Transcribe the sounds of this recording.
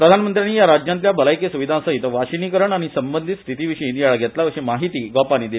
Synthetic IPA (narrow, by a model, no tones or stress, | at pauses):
pɾəd̪ʱanmənt̪ɾjanːiːjaɾad͡ʑjant̪ljabəlajkesuʋid̪ʱãsəit̪əʋaɕiniːkəɾəɳaɽ̃isəmbənd̪ʱit̪st̪ʰit̪iʋiɕəinijaɭaɡʱɛt̪laəɕemaɦit̪iːɡɔpaniːd̪il